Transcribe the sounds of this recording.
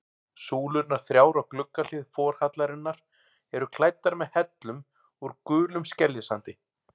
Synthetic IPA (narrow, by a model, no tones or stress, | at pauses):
suːlʏnaɾ̥θɾjaːwɾaɣklʏkːal̥ɪðfɔːɾ̥hat̪laɾɪnːaɾ̥ | ɛɾʏkʰlaːjt̪ːaɾmɛðhɛt̪lʏm | uɾkʏːlʏmscɛljɪsant̪ɪ